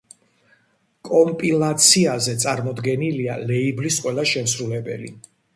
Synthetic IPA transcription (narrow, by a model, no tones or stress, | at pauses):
kʼɔmpʼilˠat̪sʰiazɛt̪sʼaɾmɔd̪ɡɛnilialɛiblisqʼwɛlˠaʃɛms̬ɾulɛbɛ̰lḭ